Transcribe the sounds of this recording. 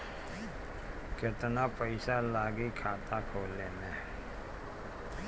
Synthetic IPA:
kɪt̪napəɪsalaːɡikʰaːt̪akʰoːlːeːneː

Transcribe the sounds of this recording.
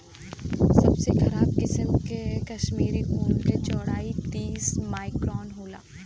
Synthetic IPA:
sɐbsexɐɾaːb̚kɪsəmkekɐʃmiːɾiɦoːmket͡ʃɔːɽaːit̪iːsmaːɪkɾɔːnɦoːla̰ː

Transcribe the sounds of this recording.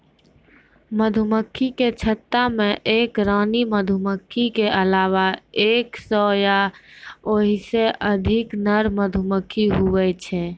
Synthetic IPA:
məd̪ʱuməkʰːiket͡ʃʰət̪ːameʔekɾaːniməd̪ʱuməkʰːikeʔəlaʋaeːksɔja | oɦiseʔəd̪ʱiknəɾməd̪ʱuməkʰːiɦuwɛt͡ʃʰɛ

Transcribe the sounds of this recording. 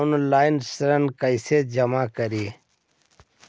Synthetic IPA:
nlaːjnsɾənkəjsed͡ʒɐmaːkəɾi

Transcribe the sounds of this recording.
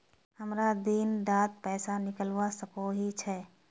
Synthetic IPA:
həmɾad̪iːndaːt̪̚pɛːsanɪkəlʋasəkoɦit͡ʃʰɛː

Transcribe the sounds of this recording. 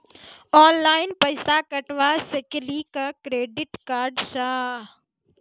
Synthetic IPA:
ɔːnlaːɪnpɐɪsakɐʈʋaseklikakɾeːɖɪʈkaːɾɖʃaː

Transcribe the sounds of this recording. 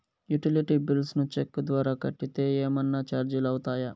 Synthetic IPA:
juʈiliʈibilsnut͡ʃekːud̪ʋaːɾaːkɐʈːit̪e̞ːeːmɐnːat͡ʃaːɾd͡ʒilɐwut̪aːjɐ

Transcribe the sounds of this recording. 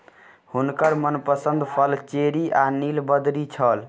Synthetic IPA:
hunkəɾmənpəsə̃nd̪pʰəlt͡ʃeɾiʔanilbəd̪ɾit͡ʃʰəl

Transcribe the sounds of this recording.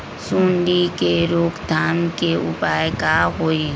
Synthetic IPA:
sũːɳɖikeɾoːkd̪ʱaːnkeʊpaːjkaɦoːi

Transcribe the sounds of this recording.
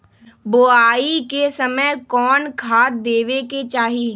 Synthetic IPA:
boːaːikesəməjkɔːnkʰaːt̪d̪eːʋeket͡ʃaːɦiː

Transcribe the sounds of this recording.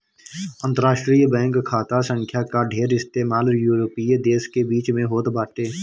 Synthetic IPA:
ə̃nt̪əɾaːʃʈɾijbɛ̃ːŋkkʰaːt̪asə̃ŋkʰjakaɖʱeːɾɪst̪eːmaːljuːɾoːpiːd̪eːskebiːt͡ʃmẽɦoːt̪baːʈeː

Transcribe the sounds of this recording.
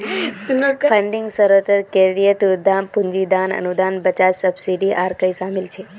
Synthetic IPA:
sfʰəɳɖɪŋɡsəɾot̪əɾkeɾijət̪ud̪ampũɲd͡ʒid̪anə̰nud̪anbət͡ʃasəbsiɖiʔaɾkəisamilt͡ʃʰe

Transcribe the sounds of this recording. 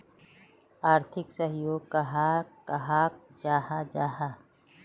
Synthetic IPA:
aːɾt̪ʰɪksɐɦɪjoːɡ̚kɐɦakɐɦaːk̚d͡ʒaːɦad͡ʒaːɦa

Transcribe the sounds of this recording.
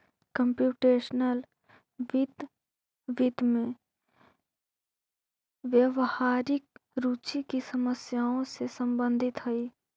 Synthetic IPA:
kəmpjuːʈeːʃnəl | ʋɪd̪ | ʋɪd̪mẽ | ʋjəʋhaːɾɪk̚ɾuːt͡ʃikisəməsjaːõsesə̃mbə̃nd̪ʱɪt̪ɦɐiː

